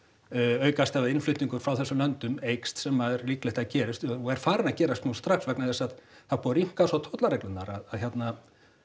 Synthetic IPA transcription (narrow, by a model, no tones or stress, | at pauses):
œːɥkast̪avaðɪnflʏht̪niŋkʏɾ̥fɾawθɛsːʏlœnt̪ʏmejkst̪sɛmaɛɾliːklɛht̪aðcɛːɾɪst̪ɔɔɛɾ̥faːɾɪnacɛːɾast̪nust̪ɾaxsvɛknaðɛsað | θaðpʰɔɾiŋ̥kasat̪ʰowt̪laɾejklʏnːaɾaðaðçjɛt̪na